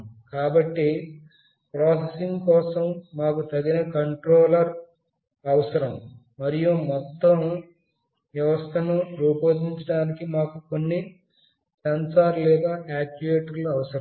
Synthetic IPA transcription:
kaːbɐʈːi | pɾɔːsesiŋkɔːsɐmːaːkut̪ɐɡinɐkɐɳʈɾoːlɐɾ | ɐʋɐsɐɾɐm | mɐɾijumɔt̪ːɐm | ʋjɐʋɐst̪ʰɐnuɾuːpoːd̪iɲt͡ʃɐɽaːnikimaːkukonːi | sɐnsaːɾlɛːd̪aːʔaːkd͡ʒuʋeːʈɐɾluɐʋɐsɐɾ

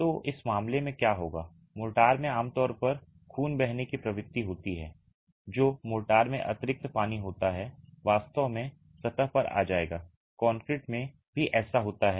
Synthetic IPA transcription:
t̪oːʔɪsmaːmlemẽkjaːɦoːɡaː | moːʈaːɾmẽaːmt̪ɔːɾpɐɾ | kʰuːnbɛɦnekipɾɐʋɪt̪ːiɦoːt̪iɦɛ̰ː | d͡ʒoːmoːlʈaːɾmẽʔɐ̰t̪ɪɾɪk̚t̪paːniɦoːt̪aɦɛʋaːst̪əʋmẽ | sɐt̪əɦpɐɾa̰ːd͡ʒaːeːɡaː | kɔːŋkɾɪːʈmẽ | bʱiʔɛːsaɦoːt̪aɦɛː

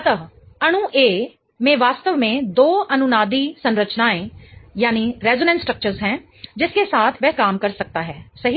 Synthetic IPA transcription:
t̪əɦ | əɽ̃ũʔeː | mẽːʋaːst̪əʋmẽːd̪oːʔənʊnaːd̪iːsənɾət͡ʃnaːẽːjaːniːɾɛːzoːnɛ̃nsːʈɾək̚t͡ʃəɾzɦɛ̃ː | d͡ʒɪskesaːt̪ʰʋɛːkaːmkəɾsək̚t̪aːɦɛːsəɦi

